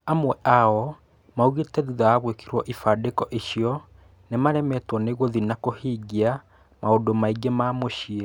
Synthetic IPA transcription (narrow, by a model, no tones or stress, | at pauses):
amwɛʔaɔ | mauɣetɛðuðajaɣwekiɾwɔʔifadekɔʔeɕiɔ | nemaɾɛmɛtwɔneɣoðinakohiːɡia | maodomaiɡemaːmoɕie